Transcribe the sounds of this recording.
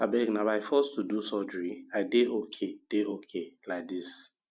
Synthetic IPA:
abɛɡnabaɪfɔstʰudusɔd͡ʒɹiadeʔokʰed̥eokʰeladis

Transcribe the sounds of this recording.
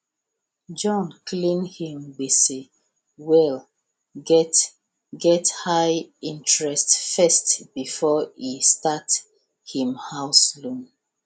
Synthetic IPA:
d͡ʒɔ̃nklĩnhĩmɡ͡besi | wɛl | ɡɛt | ɡɛthajĩntɹɛstfɛstb̥ifɔistat | hĩmhaʊslɔ̃n

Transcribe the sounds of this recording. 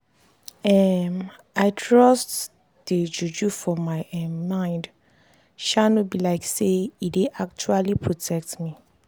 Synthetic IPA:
ɛm | aɪtʰɹɔst | d̥ed͡ʒud͡ʒufɔmaɪɛmmãɪ̃nd | ʃanɔtbilaɪkseideʔak̚t͡ʃualipʰɹotʰɛk̚tmi

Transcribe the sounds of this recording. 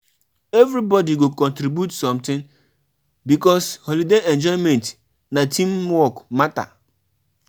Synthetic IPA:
evɾibɔdiɡokɔ̃ntɾibjutsɔ̃mtɪ̃n | bikɔshɔlideɛ̃nd͡ʒɔɪmɛ̃nt | natʰĩmwɔkmata̰

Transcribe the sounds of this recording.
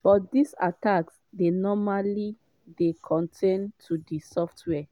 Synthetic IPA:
b̥ɔt̚disa̰taks | denɔmali | dekʰɔ̃ntʰẽntʰudisɔftʰwɛ

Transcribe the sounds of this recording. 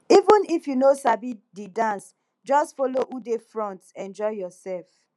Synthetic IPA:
ivũnifjunosabididãns | d͡ʒɔstfɔloʔudefɹɔ̃ntɛ̃nd͡ʒɔɪjɔsɛlf

